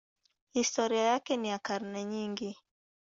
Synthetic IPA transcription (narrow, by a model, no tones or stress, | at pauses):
histɔɾiajakɛnijakaɾnɛɲiŋɡi